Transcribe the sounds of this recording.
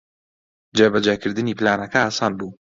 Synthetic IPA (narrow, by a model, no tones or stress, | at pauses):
d͡ʒebɐd͡ʒekɨɾd̪ɨniːplaːnɐkɐasaːnbuː